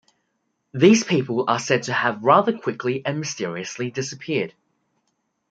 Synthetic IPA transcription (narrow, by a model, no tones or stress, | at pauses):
ðiːz̥pʰiˑpəlˠəsɛd̚tʰəəvɹɑːðəkʰw̥ɪkʰliʔə̃nmɪstɪəɹiəslidɪsəpʰɪəd̥